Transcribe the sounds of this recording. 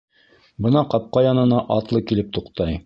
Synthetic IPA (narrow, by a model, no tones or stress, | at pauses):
bɤ̆nɑqɑp̚qɑjɑnɤ̆nɑʔɑt̪lˠɤkilɘp̚t̪uqt̪ɑj